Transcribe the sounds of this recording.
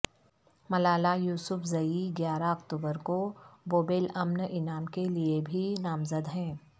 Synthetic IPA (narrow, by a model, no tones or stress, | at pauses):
mɐlaːlajuːsʊfzɐiɡjaːɾaɐkt̪uːbəɾkoboːbeːlɐmnɪnaːmkeliebʱinaːmzəd̪ɦɛ̃ː